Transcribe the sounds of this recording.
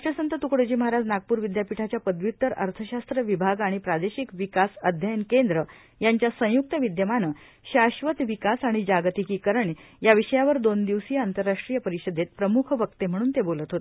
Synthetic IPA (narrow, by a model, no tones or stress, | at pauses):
ʈəsənt̪ət̪ukɽəd͡ʑiːməɦaɾad͡znaɡ̚puːɾʋid̪japiʈʰat͡ɕjapəd̪ʋit̪əɾə̰ɾt̪ʰəɕast̪ɾəʋibʱaɡaɽ̃ipɾad̪eɕikʋikasəd̪ʱjəjənkend̪ɾə | jaɲt͡ɕjasə̃juk̚t̪əʋid̪jəmanə | ɕaɕʋət̪ʋikasaɽ̃id͡ʑaɡt̪ikiːkəɾəɳ | jaʋiɕəjaʋəɾd̪ond̪iʋsiant̪əɾːaʂʈɾijəpəɾiɕəd̪ʱet̪̚pɾəmukʰʋək̚t̪em̤əɽ̃uːnt̪ebolət̪ɦot̪e̥